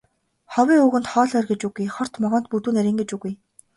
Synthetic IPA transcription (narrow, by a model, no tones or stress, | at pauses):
χɔwʲiːŋuɣɘ̆nt̪χɔːɮœrɡet͡ɕuɣujχɔr̥t̪mɔʁɔ̆ːnt̪̚put̪uːneɾĭːŋɡet͡ɕuɣuj